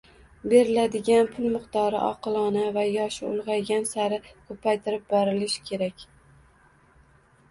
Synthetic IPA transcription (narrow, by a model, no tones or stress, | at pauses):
be̞ɾɪlad̪ɪɡʲanpʰʊlˠmɨqt̪ɒɾɪ̰ʔɒ̰qɨlˠɒnavajɒʃɪʊ̰lˠʁɑjɡʲansaɾɪkʰɵpʰajt̪ʰɪɾɪp̚bɒɾɪlɪʃkʲʰe̞ɾakʲ